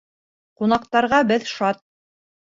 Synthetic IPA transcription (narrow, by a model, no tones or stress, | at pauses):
qunɑqt̪ɑɾʁɑbɘðʃɑt̪̚